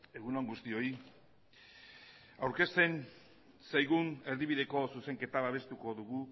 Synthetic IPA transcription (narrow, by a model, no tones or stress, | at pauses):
e̞ɣunoŋɡust̪io̞i | awɾke̞st̪e̞n | sajɣune̞ɾðiβiðe̞ko̞suse̞ŋke̞t̪aβaβe̞st̪uko̞ðuɣu